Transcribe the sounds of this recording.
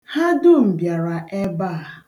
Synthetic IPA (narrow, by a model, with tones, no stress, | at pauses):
ha˦dʊ˦m̩˨bja˨ɾa˨ʔe˦baː˦˨